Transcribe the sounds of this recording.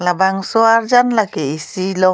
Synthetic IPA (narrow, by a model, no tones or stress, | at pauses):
labaŋsɔaɾd͡ʒanlaɡɛisilɔ